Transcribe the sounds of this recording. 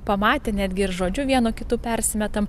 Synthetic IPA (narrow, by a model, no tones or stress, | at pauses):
pɐmɑːt̪ʲenʲæːd̪ʲɡʲɪɪɾʒoːd͡ʒʲʊʋʲiɛnʊkʲɪt̪uːpʲɛɾʲsʲɪmʲɛt̪ɐm